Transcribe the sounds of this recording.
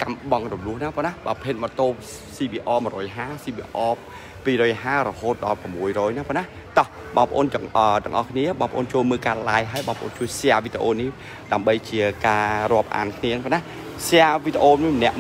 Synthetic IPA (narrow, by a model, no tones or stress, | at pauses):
kamɓɑŋrɔmlʊ̆əhnaːpɔənahɓaːpʰeːt̪̚mət̪oːp̚ | siːɓiːʔɑːmɨəɾɔːjɦaːsiːɓiʔɑː | piːɾɔːjɦaːɾɔhoːt̪̚ɗɑlprəmːuəjrɔːjnaːpɔənah | t̪ɑh | ɓɑ̰ːŋpəʔoːnəːt̪ɔə̆ŋʔɑhkʰniəɓɑːŋpə̆ʔo̰ːnt͡ɕoːlməːlkaːlaːjɦaəjɓɑːŋpəʔo̰ːnt͡ɕuəjseaːʋit̪eʔoːnih | ɗaəmɓəjt͡ɕiəkaːrŏəp̚ʔa̰ːnkʰniəpɔna | seaːʋit̪eʔoːmimənɛ̆əʔ